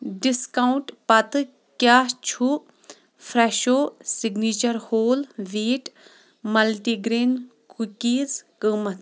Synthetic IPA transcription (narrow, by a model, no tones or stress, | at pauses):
ɖiskauɳʈpɐt̪ɨ | kʲaːt͡ʃʰu | fʰɾɛʃoːsiɡniːt͡ʃɐɾhoːlʋeːʈ | mɐlʈiɡɾeːnkukiːzkəːmɐt̪